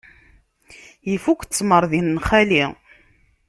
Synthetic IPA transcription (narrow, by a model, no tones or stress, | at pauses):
jifukt͡sːməɾˤðinːχæli